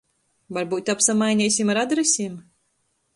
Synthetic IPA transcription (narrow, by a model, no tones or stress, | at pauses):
vaɾbuːt̪ʲapsamajnʲɛsʲimaɾad̪ɾɛsʲiːm